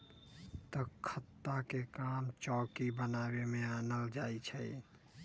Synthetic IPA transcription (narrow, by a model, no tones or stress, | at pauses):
t̪əkʰət̪ːakekamt͡ʃɔkibənabemeanəld͡ʒajt͡ʃʰə